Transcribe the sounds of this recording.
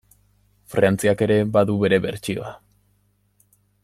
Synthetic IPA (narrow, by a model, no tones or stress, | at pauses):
fɾant͡siake̞ɾe̞baðuβe̞ɾe̞βe̞̰ɾt͡ʃio̰a